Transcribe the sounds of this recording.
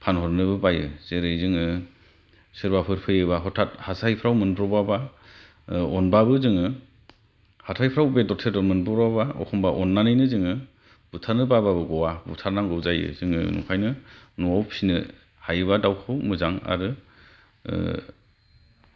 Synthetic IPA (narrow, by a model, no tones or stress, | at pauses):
pʰanhɔɾnɯbɯbajɯz̥eɾɯjzɯŋɯ | sɯɾbapʰɯɾpʰɯjɯbaɦɔtʰat̚hasʰajpʰɾawmɯnbɾɔbaba | ɔnbabɯzɯŋɯ | hatʰajpʰɾawbedɔtʰedɔɾmɯnbɾɔbabaɔ̰kʰɔmbaʔɔnːanɯjnɯzɯŋɯ | butʰaɾnɯbababɯɡɔwabṵtʰaɾnaŋɡɯzajɯ̰zɯŋɯ̰nṵŋkʰajnɯnuawpʰsinɯ | hajɯβadawkʰɯwmɯzaŋa̰ɾɯ